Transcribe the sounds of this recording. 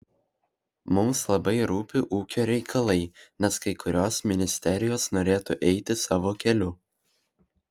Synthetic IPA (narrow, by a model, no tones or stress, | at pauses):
mʊmslˠɐbɐɪɾuːpʲɪʔuːkʲoːɾʲɛɪkʰɐlˠɐɪnʲɛskɐɪkʊɾʲoːsmʲɪnʲɪsʲt̪ʲɛɾʲɪjoːsnoːɾʲeːt̪ʊʔɛɪt̪ʲɪsɑːʋoːkʲɛlʲʊ